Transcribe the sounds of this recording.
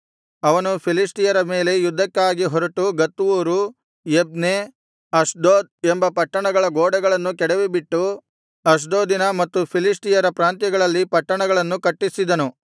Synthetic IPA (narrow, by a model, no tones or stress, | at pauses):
ɐʋɐnupʰilisʈijɐɾɐme̞ːle̞jud̪ʱːɐkːaːɡiɦɔɾɐʈuɡɐt̪ːuʋuːɾu | jeb̚ne | ɐsɖ̪oːd̪̚embɐpɐʈːɐɳɐɡɐɭɐɡoːɽɐɡɐɭɐnːukɛɽeʋibiʈːu | ɐs̬ɖ̪oːd̪inɐmɐt̪ːupʰilisʈijɐɾɐpɾaːnt̪jɐɡɐɭɐlːipɐʈːɐɳɐɡɐɭɐnːukɐʈːisid̪ɐnu